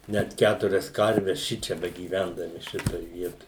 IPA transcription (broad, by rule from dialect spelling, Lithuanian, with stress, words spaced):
ˈnʲæt ˈkʲætʊrʲɛs ˈkɐrʲʋʲɛs ˈʃʲɪt͡ʃʲɛ bʲɛɡʲiːˈʋʲɛndɐmʲɪ ˈʃʲɪtoːj ˈʋʲiɛtoːj